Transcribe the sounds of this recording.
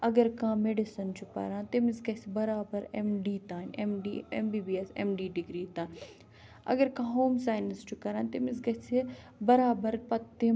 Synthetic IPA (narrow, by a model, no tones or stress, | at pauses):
ɐɡɐɾkãːmeɖɪsɐnt͡ʃʰupɐ̰ɾãːnt̪ɪmɪskɐsibɐɾaːbɐɾemɖiːt̪aːnemɖiḛmbiːbiːesḛmɖiːɖɪɡɾiːt̪aːn | ɐ̰ɡɐɾkãːɦoːmsaːjnɪst͡ʃʰukɐɾãːnt̪ɪmɪskɐse | bɐɾaːbɐɾpɐt̪ːe